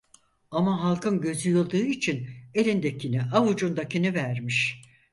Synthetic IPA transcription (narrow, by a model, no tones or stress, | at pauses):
amaɦalˠkʰɯnɟø̞zyjɯlˠd̪ɯːit͡ʃʰine̞lʲind̪acʰiniʔavud͡ʒund̪acinivæɾmiʃ